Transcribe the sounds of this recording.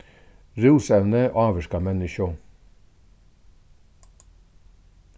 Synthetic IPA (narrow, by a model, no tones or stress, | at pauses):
ɾʉːsɛʋnəʔɑːʋəʃkɑmɛnɪʃʊ